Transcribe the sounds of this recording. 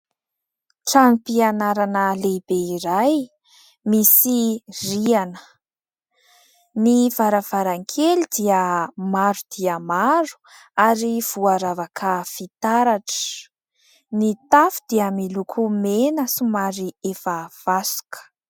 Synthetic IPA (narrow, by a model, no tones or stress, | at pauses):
ʈ͡ʂanipianaɾanəlebeiɾaj | misirianə̥ | niv̥aɾav̥aɾaŋkʰelid̪iəmaɾud̪̥iəmaɾu̥ | aɾiv̥uaɾavakʰəfit̪aɾaʈ͡ʂə̥ | nit̪afu̥d̪̥iamilukʰumenəsumaɾiefav̥asu̥kʰə̥